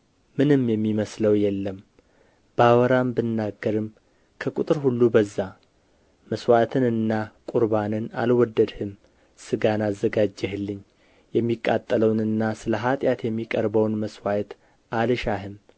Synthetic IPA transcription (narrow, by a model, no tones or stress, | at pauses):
mɨnɨmjɛmːiməsləwjɛlːəm | bawɔɾambɨnːaɡːəɾɨm | kʰəkʼut̪ʼɨɾhulːubəzːa | məswat̪ʰɨnɨnːakʼuɾbanɨna̰lwɔd̪ːəd̪hɨm | sɨɡanazːəɡad͡ʒːɛɦɨlːɨɲː | jɛmːikʼːat̪ʼːələwnɨnːasɨləɦat̪ʼjat̪jɛmːikʼəɾbəwnməswajt̪ | ʔalɨʃaɦɨm